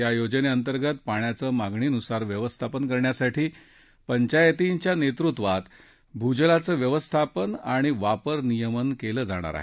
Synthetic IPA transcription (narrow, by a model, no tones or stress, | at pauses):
jajod͡ʑəneənt̪əɾɡət̪paɳ̃jat͡səːmaɡɳiːnusaɾʋjəʋəst̪ʰapənkəɾɳjasaʈʰiː | pəɲt͡ɕajt̪iɲt͡ɕjanet̪ɾut̪ʋat̪ | bʱud͡ʑlat͡səːʋjəʋəst̪ʰapənaɽ̃iʋapəɾnijəmənkeləːd͡za̰ɽ̃a̰ɾa̰ɦe